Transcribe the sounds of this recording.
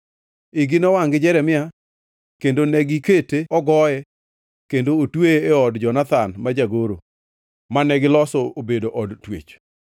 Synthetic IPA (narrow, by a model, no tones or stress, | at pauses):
ɪɡɪnɔwaŋɡɪd͡ʒɛɾɛmɪa | kendonɛɡiketeɔɡɔjɛ | kendootweːɔdd͡ʒɔnat̪anmad͡ʒaɡoɾo̰ | manɛɡɪlɔsɔobedoʔɔdtwḛt͡ʃ